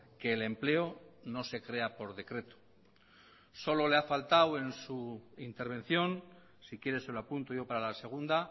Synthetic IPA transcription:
ke̞ːle̞mple̞ono̞se̞kɾe̞apo̞ɾðe̞kɾe̞t̪o̥ | so̞lo̞leafalt̪awe̞nsuint̪e̞ɾβ̞e̞nθjo̞n | sikje̞ɾe̞seloapunt̪oʝo̞paɾalase̞ɣ̞und̪a

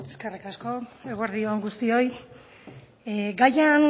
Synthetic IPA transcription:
e̞ske̞rikasko̞eɣweɾðioaŋɡust̪io̞j | ɡajan

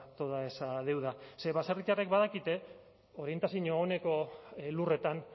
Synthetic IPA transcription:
t̪o̞ðaesaðe̞wð̞ase̞βaserit͡ʃarekbaðakit̪e̞ | o̞ɾie̞nt̪asiɲoːne̞ko̞lure̞t̪an

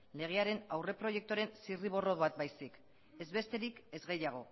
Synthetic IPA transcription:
le̞ɣe̞aɾe̞nawre̞pɾo̞je̞k̚t̪uoɾe̞nsiriβ̞o̞ro̞βat̪̚bajsik | e̞zβe̞st̪e̞ɾike̞zɣe̞jaɣ̞o̞

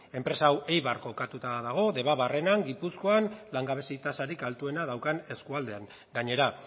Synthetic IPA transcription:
e̞mpɾe̞saːwe̞jβaɾko̞kat̪ut̪aðaɣ̞o̞ðe̞βaβare̞naŋɡipusko̞anlaŋɡaβe̞sit̪asaɾikalt̪ue̞nað̞awkane̞skuald̪e̞aŋ | ɡaɲe̞ɾa

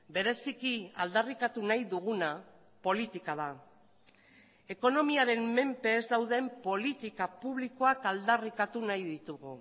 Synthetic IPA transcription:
be̞ɾe̞sikiald̪arikat̪unajðuɣ̞una | po̞lit̪ikaða | e̞ko̞no̞miaɾe̞mːe̞mpe̞ːzd̪awðe̞mpo̞lit̪ikapuβliko̞akald̪arikat̪unajðit̪uɣu

